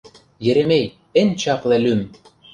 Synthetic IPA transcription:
jɘ̆ɾĕmej | ɘ̆nʲt͡ɕɑqlæ̆lym

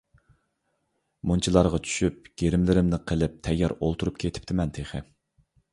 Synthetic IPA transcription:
munt͡ʃʰilˠɑɾʁɑt͡ʃʰy̥ʃyp̚ɡ̥ʲeɾɪmlɪɾɪmnɪqʰəlɪp̚t̪ʰɛjːɑɾolˠt̪ʰuɾup̚kʲʰet̪ʰɪ̥p̚t̪ʰɪmɛnt̪ʰeχɪ

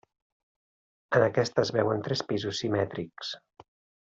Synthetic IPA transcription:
ənəkɛst̪əzβɛwənt̪ɾɛspizusːimɛt̪ɾiks

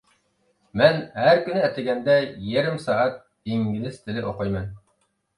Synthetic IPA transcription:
mænhæɾkʲynɪæt̪ɪɡʲɛnd̪ɛjeɾɪmsɑːɑt̪̚ | d̪̥eŋɡʲɪzɪz̥t̪ʰɪlɪʔoqojmɑn

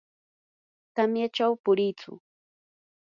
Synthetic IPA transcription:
t̪amjat͡ʃawpʊɾɪjt͡sʊ̰

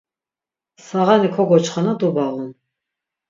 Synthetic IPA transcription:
saʁanikʰɔɡɔt͡ʃʰχanad̪ubaʁun

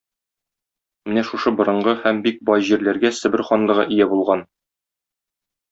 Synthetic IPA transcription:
mɘnæʃuʃɤbŏɾɤ̆ɴɢɤhæmbik̚bɒjʑiɾlæɾɡæsɘ̆bɘɾχɒnlˠɤ̆ʁɤ̰ʔijæbulˠʁɑn

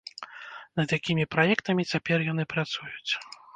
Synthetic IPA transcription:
nɐd̪jakʲimʲipɾajɛkt̪ɐmʲit͡sʲapʲɛrjan̪ɨpɾat̪sujut͡sʲ

